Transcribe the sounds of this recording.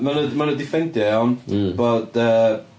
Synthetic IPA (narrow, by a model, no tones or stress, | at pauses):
manəmanədɪfɛndjɛɔnb̥oːd̥ə